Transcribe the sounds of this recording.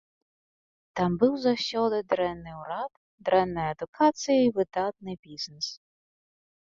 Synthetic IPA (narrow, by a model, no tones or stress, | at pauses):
t̪ɑmbɨwzɐɕʲɔd̪ɪd̪ɾɛnːɪjʊɾɑt̪ | d̪ɾɛnːɐjɐɐd̪ʊkʰɑt͡sʲijɐiʋɪd̪ɑt̪̚nɪjbʲiznɛs